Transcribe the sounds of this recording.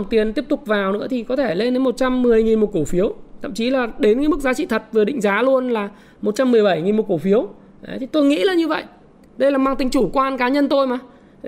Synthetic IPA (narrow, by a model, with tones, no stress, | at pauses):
ŋt̪i˨˩ənt̪i˦˥əp̚t̪ʊ˨˩k͡p̚vaː˨˩wnɨ̰˧˥ət̪ʰi˨˩kɔ˨˦t̪ʰe˧˩le˧nɗe˨˦nmo˨˩t̚t͡ɕa˧mːɨ˨˩əjŋi˨˩nmo˨˩ko˧˩fi˨˦əwt̪ʰə̰˧˨mt͡ɕi˨˦laː˨˩ɗe˨˦nka˧˥˦mɨ˦˥k̚zaː˨˦t͡ɕḭ˧˨t̪ʰə˨˩t̚vɨ˨˩əɗḭ̈˧˨ŋ̟zaː˨˦lu˧ənlaː˨˩ | mo˨˩t̚t͡ɕa˧mːɨ˨˩əjɓa˧˩jŋi˨˩nmo˨˩ko˧˩fi˨˦əw | t̪ʰi˨˩t̪o˧jŋḭ˧˥laː˨˩ɲɨ˧və̰˧˨jʔ | ɗə˧jlaː˨˩maː˧ŋt̪ï˧˩ŋ̟t͡ɕu˧˩kwaː˧nkaː˨˦ɲə˧nt̪o˧jmaː˨˩